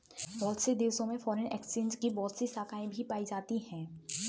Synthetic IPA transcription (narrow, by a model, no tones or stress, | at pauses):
bɔːlt̪sid̪eːʋsõmẽfɔːɾənɛːkst͡ʃẽːnd͡ʒkibɔːlt̪sisaːkaːẽbʱipaːid͡ʒaːt̪ihɛ̃ː